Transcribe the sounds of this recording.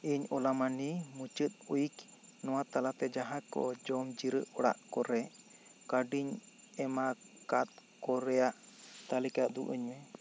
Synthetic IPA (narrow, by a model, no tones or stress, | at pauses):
iɲɔlamanimut͡ʃɨt̪̚ujiknɔwat̪alat̪ɛd͡ʒaɦakɔ̰d͡ʒɔmd͡ʒiɾə̰ʔɔɽa̰ʔkɔɾɛkaɖiɲ | ɛmakat̪̚kɔɾɛjaʔt̪alikad̪ṵʔəɲmɛ